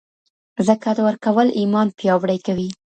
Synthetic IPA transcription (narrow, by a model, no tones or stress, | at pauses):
zəkad̪əwəɾkawəlʔimɑnpjɑwɽajkawi